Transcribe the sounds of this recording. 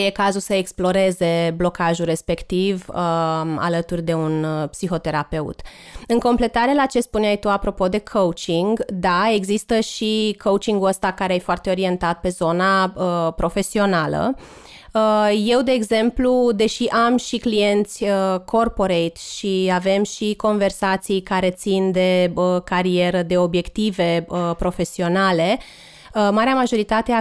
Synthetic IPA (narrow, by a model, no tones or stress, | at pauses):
jekazulsəeksplo̞ɾe̞ze̞blo̞kaʒure̞spe̞kt̪ivəa̰lət̪urʲd̪e̞unpsixo̞t̪e̞ɾape̞ṵt̪ɨŋko̞mple̞t̪aɾe̞lat͡ʃe̞spuneajt̪uapɾo̞po̞d̪e̞kʰəut͡ʃiŋɡd̪ae̞ɡzist̪əʃikʰowt͡ʃiŋɡuəst̪akaɾeajfoart̪e̞o̞ɾie̞nt̪at̪̚pe̞zo̞naəpɾo̞fe̞sio̞nalə̰ | əje̞wd̪e̞ːɡze̞mplud̪e̞ʃiʔamʃiklie̞nt̪sʲəkʰo̞rpo̞ɾejt̪ʃiave̞mʃiko̞nve̞rsat̪sijkaɾe̞t̪sind̪e̞əkaɾie̞ɾəd̪e̞o̞bje̞kt̪ive̞əpɾo̞fe̞sio̞nale̞ | əmaɾeamaʒo̞ɾit̪at̪e